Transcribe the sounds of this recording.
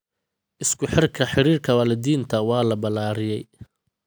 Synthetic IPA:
ʔɪskʰʊħɪrkʰɐħɪɾiːrkʰɐwaːlɐd̪iːnt̪ʰɐwɑːlɐbɐlaːɾɪjɛj

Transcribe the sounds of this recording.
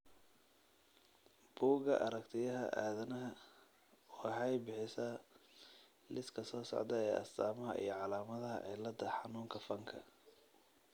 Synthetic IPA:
b̥uːɣɐʔɐɾɐkt̪ʰɪjɐɦɐ̰ʔaːðɐnɐɦɐ | wɑħɑjbɪħɪsaː | lɪskʰɐsɔːsɔ̰ʕd̪ɐɛːʔɐ̰st̪aːmɐɦɐ̰ʔḭjɞʕɑlaːmɐðɐɦɐ̰ʕɪlɐd̪ɐħɑnuːŋkʰɐfɐŋkʰɐ̰

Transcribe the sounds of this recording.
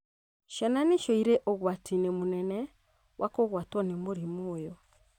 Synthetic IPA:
ʃɛnaneʃɔiɾeʔɔɣwatʰinemonɛnɛ | wʔakoɣwatwɔnemoɾimoːjɔ

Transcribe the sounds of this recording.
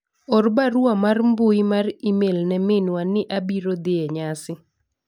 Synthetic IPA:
ɔrbaɾwamarmbʊimarimelnɛmɪnwanɪʔabiɾod̪ɪɛɲasɪ

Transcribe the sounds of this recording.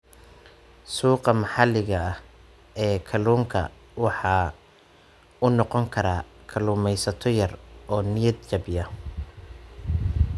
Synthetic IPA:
suːqɑmɑħɑlɪɣɐɐ | ʔɛːkʰɐluːŋkʰɐ̰ | wɑħɑː | ʊnɔqɔŋkʰɐɾaːkʰɐluːmɛjsɐt̪ʰɔjɐrɔːnɪjɐd̪̚t͡ʃɐbjɐ

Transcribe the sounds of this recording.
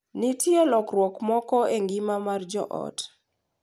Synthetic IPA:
nitʰjelɔkrwɔkmɔkɔeŋɡimamard͡ʒɔ̰ʔɔ̰t

